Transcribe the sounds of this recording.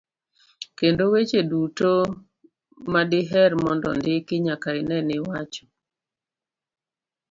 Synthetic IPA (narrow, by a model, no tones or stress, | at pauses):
kendowet͡ʃeduto | madɪɦɛɾmɔndɔ̰ndɪkɪɲakaɪnɛnɪwat͡ʃɔ̥